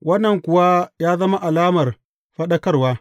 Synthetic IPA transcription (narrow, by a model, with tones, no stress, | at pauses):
wɐ˦nːɐ˨ŋkʷʊ˨wa˦jaː˦zɐ˦ma˦ʔa˨laː˦mɐ˨r | ɸɐ˦ɗɐ˦kɐ˦rwaː˦